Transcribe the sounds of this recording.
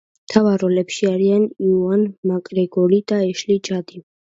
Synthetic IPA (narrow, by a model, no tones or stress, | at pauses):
t̪ʰavaɾɔlɛpʃiaɾianiuanmakʼɾɛɡɔlid̪̥aɛʃlit͡ʃad̪i